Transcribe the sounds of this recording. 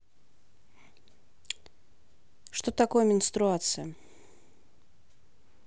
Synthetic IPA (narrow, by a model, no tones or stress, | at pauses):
ʂt̪ot̪akojəmʲɪnst̪ɾʊat̪sɨjə